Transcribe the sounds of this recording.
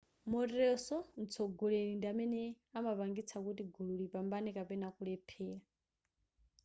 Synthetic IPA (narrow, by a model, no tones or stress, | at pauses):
mɔtɛsɔnt͡sʰɔɡɔleɺindiamɛnɛ | amapaŋɡit͡sʰakut̬iɡululipambanɛkapɛnakulɛpʰɛːɺa